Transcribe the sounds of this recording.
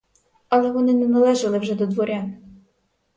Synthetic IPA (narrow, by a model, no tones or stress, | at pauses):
ɐlˠɛʋɔnɪnɛnɐlˠɛʒɐlˠɪwʒɛd̪ɔd̪ʋɔɾʲa